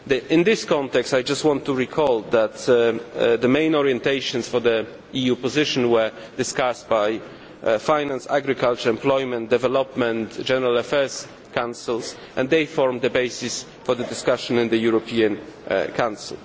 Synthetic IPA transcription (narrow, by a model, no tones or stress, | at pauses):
d̪ɪ̃nd̪ɪskɔ̃nt̪ɛkstajd͡ʒastwɔ̃nt̪ʰːuɹikʰɔld̪æt̪ | d̪əmẽɪ̃nɔɹiɛ̃nt̪eɪʃɔ̃nsfɔd̪ə | ijupɔzɪʃɔ̃nwɛ˞ | d̪ɨskast̚baj | fãjnãnsa̰ɡɹikalt͡ʃəɹɛ̃mplɔjmɛ̃nt̚d̪ɛvɛlɔpmɛ̃ntd͡ʒɛnɛɹalafɛɹs | kãw̃nsɪls | ʔɛ̃nd̪eɪjfɔɹmd̪əbejsɪs | fɔɹðəd̪ɪskaʃɔ̃nɪ̃nd̪əjuɹɔpʰiãnkʰãw̃nsɪlˠ